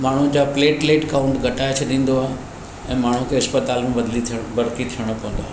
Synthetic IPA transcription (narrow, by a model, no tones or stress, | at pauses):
maːɳ̤ũd͡ʑaːpleːʈleːʈkaːʊ̃ɳʈɡʱɐʈaːet͡ɕʰɐd̪ĩːn̆d̪oaːɦe | ɛ̃ːmaːɳ̤ukʰeɐspət̪aːlmẽbɐd̪lit̪ʰbɐɾt̪it̪ʰiəɽ̃ə̆pɐ̃ʋə̃nd̪oaːɦe